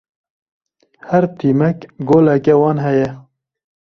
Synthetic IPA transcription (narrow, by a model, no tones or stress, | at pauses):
hɛɾt̪ʰiːmɛkɡoːlɛkɛwɑːnɦɛjɛ